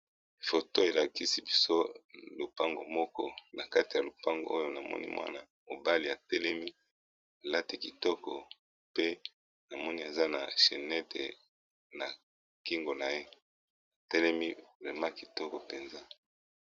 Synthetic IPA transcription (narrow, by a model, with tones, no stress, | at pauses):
fo˨to˦e˨la˨ki˦si˦bi˦so˦lo˨pa˦ŋɡo˨mɔ˦kɔ˦na˨ka˦ti˨ja˨lo˨pa˦ŋɡo̰˨o˦jo˦na˨mɔ̰˦nḭ˦mwa̰˦na˨ | mo̰˨ba˦li˨a˨tɛ˦lɛ˦mi˦ | a˨la˦ti˨ki˨tɔ˦kɔ˨ | pe˦ | na˨mɔ˦ni˦e˨za˦na˨ʃe˨nɛ˦tḛ˨ | na˨ | ki˦ŋɡo˨na˨je˦ | a˨tɛ˦lɛ˦mi˦vʁɛ˨mã˦ki˨tɔ˦kɔ˨pe˨nza˦